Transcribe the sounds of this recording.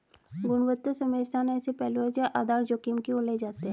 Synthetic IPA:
ɡʊnʋət̪ːəsəmeːst̪ʰaneɛːsepɛːluɦɛd͡ʒaʔaːd̪aːɾd͡ʒoːkimkioled͡ʒaːt̪eɦɛ̃ː

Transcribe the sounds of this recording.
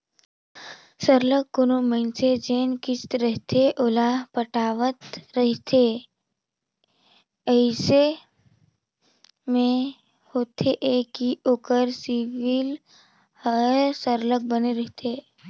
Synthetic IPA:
səɾlək̚ːʊnoməɪnsed͡ʒeːnkɪst̪ɾəɦt̪ʰeʔolapəʈaːʋət̪ɾəɦt̪ʰe | əɪse | mẽ | hoːt̪ʰeʔeːkioːkəɾsiʋɪl | həɾsəɾlək̚bəneɾəɦt̪ʰeː

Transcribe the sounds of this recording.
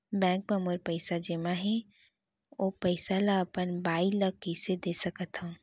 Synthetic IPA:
bɛ̃ːŋk̚məmoɾpəɪsad͡ʒemaɦɛ̃ | oːpəɪsalaəpənbaːiləkːised̪esəkət̪ɦõ

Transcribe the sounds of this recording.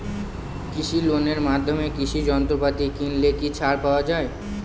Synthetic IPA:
kɪʃʰiloneɾmaːd̪ʱːomekiʃid͡ʒɔnt̪ɾopat̪ikinlekit͡ʃʰaɽpawad͡ʒaːe

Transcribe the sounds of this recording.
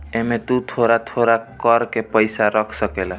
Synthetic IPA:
emet̪ut̪ʰoɾat̪ʰoɾakəɾkepəɪsaɾəkʰsəkela

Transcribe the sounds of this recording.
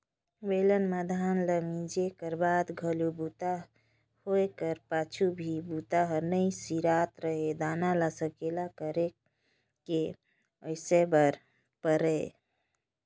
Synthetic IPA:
ʋelənmad̪ʱanləmid͡ʒekəɾbad̪ɡʱəlubut̪a | hoekəɾpat͡ʃʰubʱibut̪aɦəɾnəjsiɾat̪ɾəɦed̪analasəkelakəɾe | ke | əjsebəɾ | pəɾɛ

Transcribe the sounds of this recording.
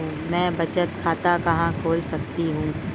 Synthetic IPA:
ũːmɛ̃ːbɐt͡ʃət̪kʰaːt̪akɐɦãkʰoːlsɐk̚t̪iɦũː

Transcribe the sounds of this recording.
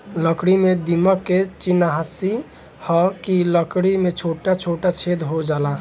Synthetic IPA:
ləkɽimed̪iməkːet͡ʃinaɦasi | hɔkiləkɽimet͡ʃʰoʈat͡ʃʰoʈat͡ʃʰed̪ɦod͡ʒala

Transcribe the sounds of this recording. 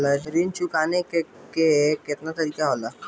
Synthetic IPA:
laet̪əɾiːnt͡ʃʰukaːneke | keeːkɪt̪nat̪ɐɾiːkaɦoːla

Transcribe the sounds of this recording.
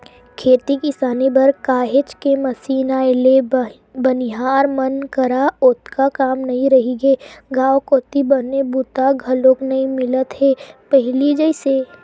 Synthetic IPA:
kʰeːt̪ikɪsaːnebɐɾkaːɦet͡ʃkemɐsiːnaɪle | bɐnɪɦaːɾmɐnkɐɾaʊt̪kakaːmnɐɦĩɾɐɦiɡeːɡãːwkot̪ibɐnebʊt̪aɡʱɐloknɐĩmɪlət̪ɦɛːpɛɦlid͡ʒɐseː

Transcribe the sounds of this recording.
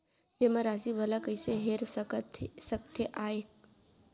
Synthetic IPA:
d͡ʒeːmaɾaːsibɐlakəiseɦeɾt̪səkt̪ʰeʔaːe

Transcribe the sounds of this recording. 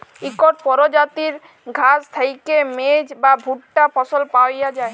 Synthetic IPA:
ikɔʈpɔɾod͡ʒat̪iɾ | ɡʱast̪ʰajkemed͡ʑbabʱuʈʈapʰɔsɔlpawjad͡ʒae

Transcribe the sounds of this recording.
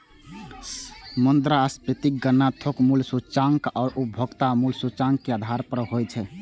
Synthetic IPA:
mənd̪ɾaspɾit̪ik̚ɡənːat̪ʰokmulsut͡ʃaŋkɔːɾupbʱoɡt̪amulsut͡ʃaŋkːead̪ʱaɾpəɾɦojt͡ʃʰɛ

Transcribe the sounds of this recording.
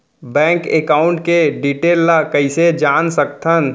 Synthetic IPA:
bɛ̃ːŋkekaːʊ̃ɳʈkeɖiʈeːlːakəɪsed͡ʒaːnsək̚t̪ʰən

